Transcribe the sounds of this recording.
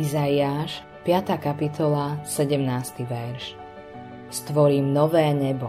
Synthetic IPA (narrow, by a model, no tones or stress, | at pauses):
izajiaːʃ | pɪat̪aːkapit̪ʰɔlasɛɟɛmnaːst̪iʋɛɾʃ | st̪ʋɔɾiːmnɔʋɛːɲɛbɔ